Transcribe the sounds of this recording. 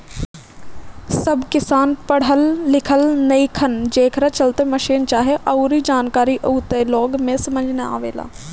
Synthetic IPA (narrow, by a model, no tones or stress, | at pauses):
səbkɪsaːnpəɽ̤əlːɪkʰəlnəĩkʰənd͡ʒeːkʰɾat͡ʃəlt̪eməʃiːnt͡ʃaːɦeʔəɾid͡ʒaːnkaːɾiʔəːt̪elɔːɡmẽsəməd͡ʒnea̰ːʋḛːla̰ː